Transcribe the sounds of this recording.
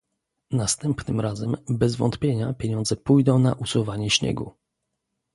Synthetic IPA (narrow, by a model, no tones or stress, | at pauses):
nast̪ɛmpnɘmɾazɛmbɛzvɔ̰nt̪pʲjeɲapʲjeɲɔnd̪zɛpujd̪ɔ̃w̃na̰ʔusuvaɲɛɕɲɛ̰ɡṵ